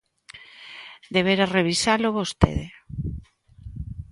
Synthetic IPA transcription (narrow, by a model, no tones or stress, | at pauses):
d̪eβeɾareβ̞isaloβost̪ḛðe